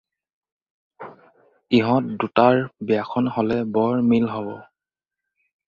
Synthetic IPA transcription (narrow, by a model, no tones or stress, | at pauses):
iɦɔ̃t̚dutaɹbiakʰɔnhɔlɛbɔɹmilɦɔbɔ